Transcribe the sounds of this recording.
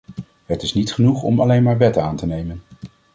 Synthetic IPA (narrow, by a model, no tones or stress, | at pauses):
hətɪsnitχənuχɔ̰mɑlejnmaːɹʋɛtaːntənejmən